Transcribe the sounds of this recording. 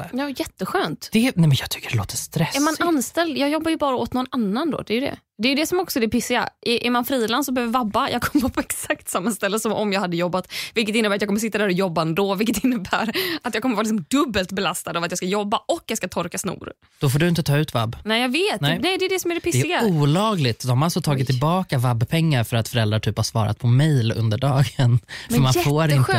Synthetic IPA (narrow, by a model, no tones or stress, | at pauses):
jɑːjɛt̪ːəɧøːnt̪d̪ɛnɛmɛnjɑɡt̪ʰʏ̥kːəɖɛlo̰ːt̪əst̪ɾɛɛɾɾmananst̪ɛld̪jɑːɡjɔbːajɵbɑːɾaɔt̪nɔnanːand̪o̰ːd̪ɛːjɵd̪ɛ̰ | d̪ɛjɵd̪ɛsɔmɔksɔɛd̪ɛpɪsːɪɡa̰ʔɪʔɛɾmanfɾiːland̪sɔbɛhøːvvabːajɑːɡ̚kʰɔmːəəpʰɔɛksakt̪samːast̪ɛlːəsɔmʔɔmjɑːɡhad̪ːəjɔbːat̪vɪlk̬ət̪ɪnːəbæɾt̪jɑkɔmːəs̬ɪt̪ːad̪æːɾɔjɔbːaɛnd̪oːvɪlk̬ːət̪ɪnːəbæːɾat̪jɑɡkɔmːəɾvɑːlɪks̬ɔmd̪ɵbːəlt̪bɛlast̪ad̪avat̪jɑːskajɔbːaʔɔkːjɑɡskat̪ʰɔɾkasnṵːɾ | d̪̥ɔfoːɖɵɪnt̪ət̪ʰɑːʉ̟ːt̪va̰bːnɛɪjɑːɡveːt̪nɛnɛjd̪ɛːɖ̪ɛsɔmæɖɛpʰɪd̪ɛɛɾɪɡauːlɑːɡlɪɡt̪d̪ɔmhaɾalsɔt̪ʰɑːɡɪt̪ʰːɪlbɑːkavabːpʰɛŋːaɾfœɾat̪fœɾɛld̪ɾaʈʰyːphasvɑ̰ːɾa̰t̪̚pʰɔmɛjlɵ̰nd̪əɖɑːɡənmfɛœmanɛfoːɾɪnɧø